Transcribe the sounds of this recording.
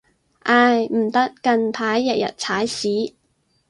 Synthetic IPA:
ʔaː˧jm̩˨˩t̪ɐ˥kːɐ˧npʰaː˨˥jːɛ˨˩k̚jɐ̰˨t̚t͡sʰaː˨˥jsiː˨˥

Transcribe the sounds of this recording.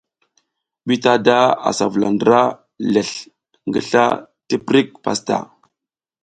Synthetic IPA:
ɓi˦ta˦da˦a̰˨sa˨vu˨la˨ndə˨ɾa˦ | le˨ɬ | ŋɡə˨ɬa̰˦ | tə˦pɾi˦k̚pa̰˨sta̰˨

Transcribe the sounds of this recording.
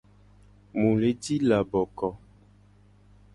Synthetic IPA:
mũ˨le˨˦ti˦la˨bɔ˨kɔ˨

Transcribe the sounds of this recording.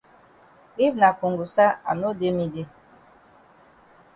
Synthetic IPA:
i˦vna˨ku˨ŋɡu˨sa˦a̰˨no˦de˦mi˦de˦

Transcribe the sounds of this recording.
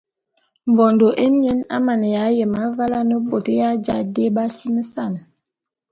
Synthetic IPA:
ɱvɔ˨ndo˨ʔe˦mje˦na̰˦ma˨nə˨ja˨˦jə˨ma˨˦va˦la˦nə˦po˨te˦ja˦d͡ʒa˦de˦ba˦si˦mə˦sa˦˨n

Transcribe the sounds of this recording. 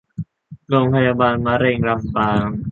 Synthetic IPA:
ɾoː˧ŋpʰa˧jaː˧baː˧nma˦˥ɾeː˧ŋɾa˧mpaː˧ŋ

